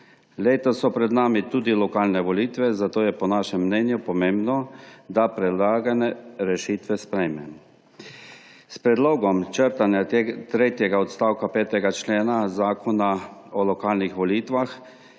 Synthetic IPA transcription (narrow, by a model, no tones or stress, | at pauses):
leːt̪ɔsɔpɾɛd̪naːmit̪uːd̪ilɔkaːlnɛʋɔliːt̪ʋɛzat̪oːjɛpɔnaʃɛmːnɛːnjupɔmẽːmbnɔd̪apɾɛd̪laːɡanɛɾɛʃiːt̪ʋɛspɾɛjmɛ | spɾɛd̪loːɡɔmt͡ʃəɾt̪anjat̪ɾeːt̪jɛɡaɔt̪st̪aːwkapɛːt̪ɛɡat͡ʃleːnazaːkɔnaɔlɔkaːlnixʋɔliːt̪ʋax